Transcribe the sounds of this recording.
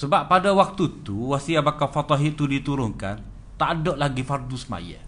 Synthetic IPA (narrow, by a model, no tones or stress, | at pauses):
səbapːadawak̚t̪ut̪uwasiabakafat̪ɔɦiʔt̪udit̪uɾʊŋka̰n | t̪aʔdɔʔlaɡifardusma̰ja̰